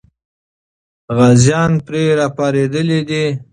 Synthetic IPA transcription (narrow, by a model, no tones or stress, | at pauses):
ɣazjɑnpɾeɾɑpɑɾed̪əlid̪i